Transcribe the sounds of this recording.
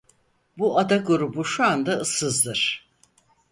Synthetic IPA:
buad̪aɡuɾubuʃuand̪aɯsɯzd̪ɯɾ̥

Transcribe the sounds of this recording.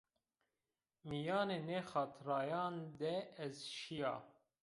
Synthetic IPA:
mijɑːneːnexɑːt̪ʰɾɑːjɑːnd̪ɛɛzʃijɑ̰ː

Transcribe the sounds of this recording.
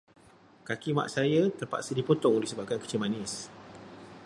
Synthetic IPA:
kakima̰ʔsajat̪ərpa̰ʔsidipot̪ɔŋulihsəbap̚kankə̥t͡ʃilmanɪs

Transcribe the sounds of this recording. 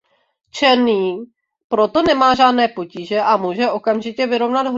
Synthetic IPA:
t͡ʃɛniː | pɾo̞t̪o̞nɛmaːʒaːdnɛːpo̞ciːʒɛʔamuːʒɛʔo̞kamʒɪcɛvɪɾo̞vnad̪ɦ

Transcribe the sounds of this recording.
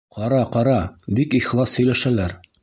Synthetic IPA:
qɑɾɑqɑɾɑbikiχlˠɑshɵ̆jlæʃælæɾ

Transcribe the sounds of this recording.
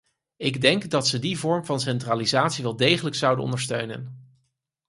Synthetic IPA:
ɪɡdɛŋkdɑtsədivɔɹmvɑnsɛntraːlizaːtsiʋɛlˠdejχələksʌwdənɔ̰ndəɹstøɥnə̰n

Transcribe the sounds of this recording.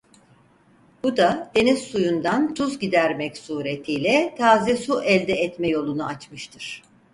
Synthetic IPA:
b̥ud̪ad̪e̞niz̥sujund̪ant̪ʰuzɟid̪æɾmɛcsuːɾe̞t̪ʰiːlʲɛt̪ʰaːzɛsuʔɛlʲd̪ɛːt̪mɛjo̞lˠunuat͡ʃmɯʃt̪ʰɯɾ̥

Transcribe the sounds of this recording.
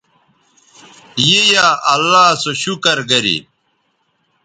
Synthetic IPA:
jejaːʔɐlːaːsoɕukɐɾɡɐɾḭ

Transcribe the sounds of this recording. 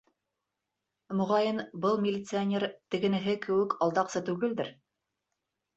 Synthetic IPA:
mɵ̆ʁɑjɤnbɤlˠmʲɪlʲːɪt̪sɨanʲeɾt̪ɘ̆ɡɘ̆nɘ̆ɦɘkɘ̆wɘkʰɑlˠd̪ɑqsɤt̪ʉɡɘld̪ɘɾ

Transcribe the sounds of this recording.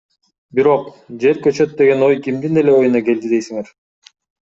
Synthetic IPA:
biɾo̞q | d͡ʒe̞ɾkøt͡ʃøt̪̚d̪e̞ɡe̞no̞jkimd̪ine̞le̞o̞junɑke̞ld̪id̪e̞jsiŋe̞ɾ

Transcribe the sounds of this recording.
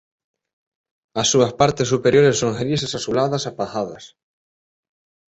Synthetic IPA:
asːuɐspaɾt̪esːupeɾjoɾesːoŋxelisesasulaðɐsapaxaðɐs

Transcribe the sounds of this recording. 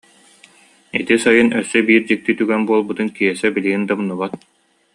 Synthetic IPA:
it̪isajɯnœsːœbiːɾd͡ʑik̚t̪it̪yɡɛnbuɔlˠbut̪ɯnkiɛsɛbiliɡind̪amnuβat̪̚

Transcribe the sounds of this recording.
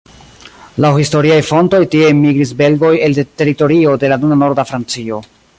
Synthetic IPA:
lawhisto̞ɾiajfo̞nto̞jtie̞miɡɾis̬be̞lɡo̞je̞ldete̞ɾito̞ɾio̞de̞lanunano̞ɾdafɾant͡sio̞

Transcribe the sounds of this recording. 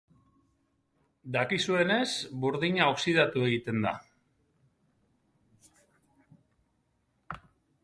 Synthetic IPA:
d̪akisue̞ne̞sbuɾðiɲaoksið̞at̪ue̞ɣit̪e̞nd̪a̰

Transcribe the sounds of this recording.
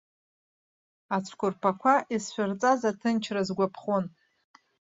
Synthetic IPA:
at͡sʷʰkʷʊrpʰakʷʰaʔisʃʷᶣʊrt͡sʼazatʰɨnt͡ʃʰrazɡʷapʰχon

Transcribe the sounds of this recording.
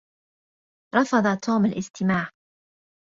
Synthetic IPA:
ɾˤɑfɑd̪ˤɑt̪ʰuːmalʔɪst̪ɪmaːʕ

